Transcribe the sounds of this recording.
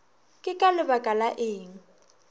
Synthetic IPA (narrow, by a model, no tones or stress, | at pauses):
kʼɪkʼalɪbakʼalaʔeːŋ̩